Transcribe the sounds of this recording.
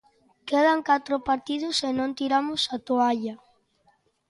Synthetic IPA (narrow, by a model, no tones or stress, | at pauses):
keð̞aŋkat̪ɾopaɾt̪ið̞ʊsenõnt̪iɾamʊsat̪oaʎa